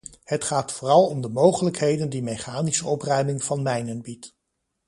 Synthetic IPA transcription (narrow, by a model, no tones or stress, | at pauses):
hətχaːtfʊːrɑlˠɔmdəmowχələkɦejdəndimejχaːnisəɔprœɥmɪŋvɑnmɛjnənbit